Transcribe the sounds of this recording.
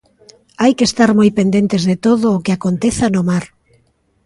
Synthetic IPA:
ajkest̪aɾmojpend̪ent̪ezðet̪oðʊːkɪakont̪eθanomaɾ

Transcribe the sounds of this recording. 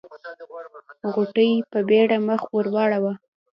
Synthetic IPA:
ɣuʈəjpəbeɽaməxwəɾwɑɽawa

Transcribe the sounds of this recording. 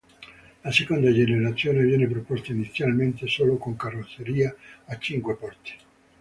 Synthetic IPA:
lasekond̪ad͡ʒeneɾat̪sːjoːnevjɛːnep̬ɾopɔst̪ainit̪sːjalment̪esoːlokoŋkarːot̪sːeɾiːaːt͡ʃːiŋkwepɔrt̪i̥

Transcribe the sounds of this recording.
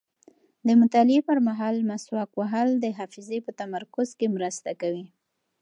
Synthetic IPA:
d̪əmʊt̪ɑlɪepəɾmaɦɑlmaswɑkwaɦald̪əɦɑfɪzepət̪amaɾkʊzkemɾəst̪akawi

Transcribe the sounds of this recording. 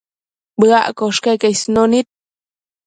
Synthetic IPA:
bɡa̰ʔkoʂkekejsnonit̪̚

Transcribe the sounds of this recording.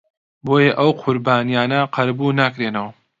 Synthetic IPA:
boːjɐʔɐwqʰʊɾbaːnijaːnɐqʰɐɾbunaːkɾenɐwɐ

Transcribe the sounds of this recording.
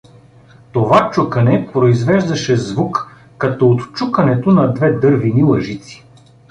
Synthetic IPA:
t̪ovat͡ʃukɐnɛpɾoizvɛʒd̪ɐʃɛzvukː | ɐt̪ɔot̪t͡ʃukɐnɛt̪onɐd̪vɛd̪ɤɾvinilˠɐʒit̪si̥

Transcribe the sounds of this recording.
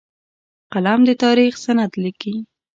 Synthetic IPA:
qalamd̪ət̪ɑɾixsanad̪liki

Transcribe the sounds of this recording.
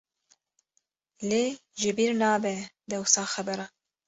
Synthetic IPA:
leːʒɪbiːɾnɑːbɛd̪ɛwsɑːxɛbɛɾɑː

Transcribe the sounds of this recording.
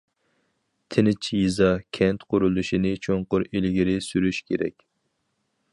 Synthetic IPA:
t̪ʰɪnɪt͡ʃʰjizɑkʲʰɛnt̪qʰʊɾulˠuʃinɪt͡ʃʰoɴqʊɾelɡʲiɾɪsyɾyʃkʲʰeɾɛ̰kʲ

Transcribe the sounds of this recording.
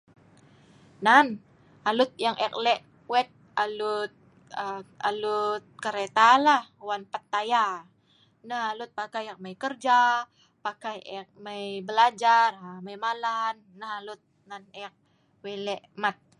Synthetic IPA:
nan | alʊt̪̚jaŋʔɛk̚lɛʔ | wɛt̪̚ | alut̪̚ | əalut̪̚kəɾet̪alahwanpat̪ːaja | nahalʊt̪̚pakajak̚məjkərd͡ʒa | pakajɛk̚məjbəlad͡ʒaraməjmalanːahalʊt̪̚nanɛk̚ | welɛʔmat̪̚

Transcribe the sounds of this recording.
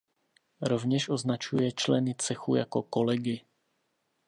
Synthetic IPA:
ɾo̞vɲɛʃʔo̞znat͡ʃujɛt͡ʃlɛnɪt͡sɛxṵjako̞ko̞lɛɡɪ

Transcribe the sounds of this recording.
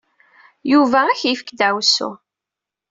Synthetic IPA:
juvææçjifə̥kd̪æwsṵ

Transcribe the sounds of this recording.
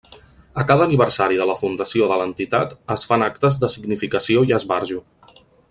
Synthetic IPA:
əkaðəːniβərsaɾiðələfund̪əsioðələnt̪it̪at̪əsfanak̚t̪əzðəsiɡnifikəsioiəzβaɾʒu

